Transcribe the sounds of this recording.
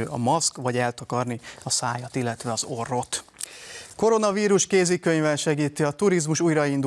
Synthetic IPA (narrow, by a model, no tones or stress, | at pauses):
ʔɒ̰mɒskvɒɟɛlt̪ɒkɒrniɒsaːjɒt̪ilːɛt̪ʋɛɒzo̞rːo̞t̪ | ko̞ɾo̞nɒviːɾuʃkeːzikø̞ɲvɛnʃɛɡiːt̪iɒt̪uɾizmuʃuːjɾɒind̪